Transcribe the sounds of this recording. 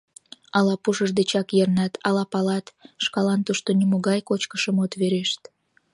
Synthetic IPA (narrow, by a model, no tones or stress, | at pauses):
ɑlɑpuʃəʒd̪et͡ɕɑkjernɑt̪ʰɑlɑpɑlɑt̪ʃkɑlɑnt̪uʃt̪onimoɣɑjkot͡ɕkəʃəmot̪βeɾeʃt̪